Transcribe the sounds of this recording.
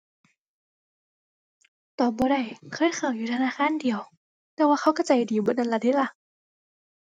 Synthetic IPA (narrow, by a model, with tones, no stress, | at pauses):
t̪ɔː˨˩bɔː˧˦ɾa˧˩jkʰɤː˧˥˨jkʰaː˨˩wjuː˨˩t̪ʰa˧naː˧˨xaː˧˥˨ndi˨əw | t̪ɛː˧˦waː˧xʰa˧˥˩wka˧˩t͡ɕa˨˩jdiː˨˦bo˧˦na˧˩nla˧˩t̪i˧˥la˧˨ʔ